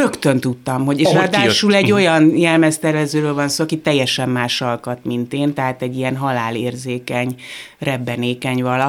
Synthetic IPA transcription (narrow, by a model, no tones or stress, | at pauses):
økt̪ø̞nt̪ut̪ːɒmɦo̞ɟeːʃɾɒd̪aːʃulɛɟːo̞jɒnɲɛlmɛst̪ɛrvɛzøːɾøːlvɒnsoːɒkit̪ːɛjːɛʃɛmːaːʃɒlkɒt̪mint̪eːnt̪ɛɦaːt̪ɛɟːijɛnɦɒlaːleːrzeːkɛɲ | rɛbːɛneːkɛɲvɒlɒ